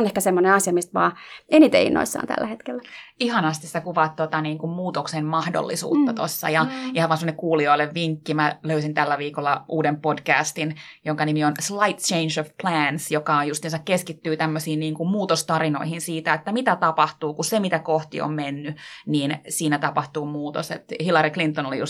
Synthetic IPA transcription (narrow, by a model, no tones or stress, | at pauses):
nehkæsemːoneɑsjɑmist̪ʋɑːenit̪ḛḭnːo̰isːɑ̰ːnt̪æ̰lːæhet̪kelːæihɑnɑst̪isit̪ækuʋɑt̪t̪ːot̪ɑniːŋkummuːt̪oksemmɑhdo̰lːisṵːt̪ːɑt̪o̰sːɑ̰jɑihɑʋɑnsemonekkuːlioilːeʋʋiŋkːimæløysint̪ælːæʋiːkolːɑʔuːdempodkæ̰ːst̪injoŋkɑnimionslɑit̪t͡ʃeinsoʋpʰlæːnsjokɑojjust̪iːnsɑkkeskit̪ːyːt̪æmːøsiːnniːŋkummuːt̪ost̪ɑrino̰ihinsiːt̪æet̪ːæmit̪æt̪ɑpɑht̪uːkusemit̪ækoht̪ḭo̰mmenːyniːnsiːnæt̪ɑpɑht̪uːmuːt̪o̰sḛt̪hilɑɾiklint̪ːonolḭjṵs